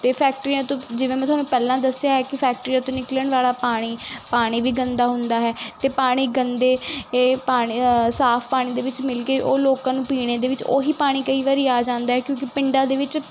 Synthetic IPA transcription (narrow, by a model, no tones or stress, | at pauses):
t̪eːpʰɛːk̚ʈɾiãːt̪õːd͡ʒɪʋẽːmɛ̃t̪ʊɦaːnũːpɛːlãːd̪əsːɪjaːɦɛːkɪpʰɛːk̚ʈɾiːãːt̪õːnɪkləɳʋaːlaːpaːɽ̃iːpaːɽ̃iːʋiːɡənd̪aːɦʊnd̪aːɦɛːt̪eːpaːɽ̃iːɡənd̪eːeːpaːɽ̃isaːpʰpaːɽ̃iːd̪eːʋɪt͡ʃmɪlkeːʔoːloːkãːnũːpiːɽ̃eːd̪eːʋɪt͡ʃo̰ːɦiːpaːɽ̃iːkəiːʋaːɾiːaːd͡ʒãːnd̪aːɦɛːkjõːkɪpɪɳɖãːd̪eːʋɪt͡ʃ